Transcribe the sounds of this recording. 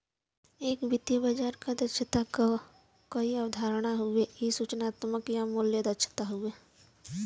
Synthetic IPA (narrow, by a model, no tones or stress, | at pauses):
eːkbɪt̪jibad͡ʒaːɾkad̪ɐt͡ʃʰət̪a | kɐiəʋd̪ʱaːɾɽ̃aɦʊejisuːt͡ʃnaːt̪məkjamuljəd̪ət͡ʃʰə̥t̪aɦʊeː